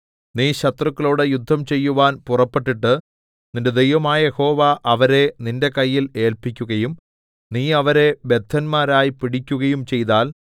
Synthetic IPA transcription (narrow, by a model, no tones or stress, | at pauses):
niːɕɐt̪rɐkːɐloːɽɨjud̪ʱːɐmt͡ɕe̞jːuʋaːnpurɐpːe̞ʈːiʈːɨ | ninde̞d̪ejʋɐmaːjɐjeho̞ːʋaʔɐʋɐɾe̞ninde̞kɐjːile̞ːlpikʲːuɣɐjum | niːɐʋɐɾe̞be̞t̪ʰːɐnmaːɾaːjipiɽikʲːuɣɐjumt͡ɕe̞jt̪̬aːl